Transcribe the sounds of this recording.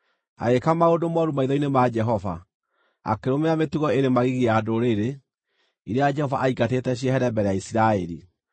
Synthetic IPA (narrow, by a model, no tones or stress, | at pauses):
a̰ɣekamaodomɔɾumaiðɔinemad͡ʒɛɦɔva̰ | a̰keɾomeametuɣɔeɾemaɣiɣeadoɾeɾe | iɾead͡ʒɛhɔvaʔaikatetɛɕ̬iɛɦɛɾɛbɛɾɛjaisiɾaɛɾi